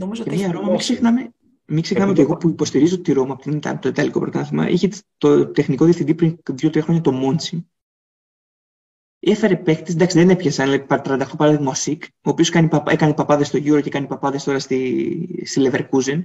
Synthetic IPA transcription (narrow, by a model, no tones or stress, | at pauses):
nomizoemɐɾomɐmiksexnɐme | miksexnɐmeot̪ieɣopuipo̞st̪iɾizot̪iɾomɐpot̪inɐ̰t̪oit̪ɐliko̞pɾot̪ɐθimɐ̰ʔiçet̪ot̪e̞xniko̞ðiefθind̪ipɾinðʝo̞t̪ɾiɐxɾo̞ɲɐt̪o̞mo̞nt͡si | e̞fe̞ɾe̞pe̞kt̪esnd̪ɐksiðenepçesɐnlepɐt̪ɾɐnd̪ɐxt̪opɐɾɐðimosik | oːpioskɐnipɐekɐnepɐpɐðest̪o̞ʝuɾocekɐnipɐpɐðe̞st̪o̞ɾɐst̪ist̪ileveɾkuzen